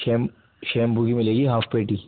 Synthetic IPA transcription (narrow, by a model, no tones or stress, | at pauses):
eːm | ʃeːmbuɡimɪleːɡiɦaːfʰpeːʈiː